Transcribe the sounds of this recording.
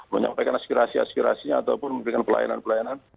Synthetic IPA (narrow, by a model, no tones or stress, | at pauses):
məɲa̰mpajkanaspiɾasia̰spiɾa̰siɲaːt̪aupʊnməmipɾikanpəla̰ja̰na̰npəlajanan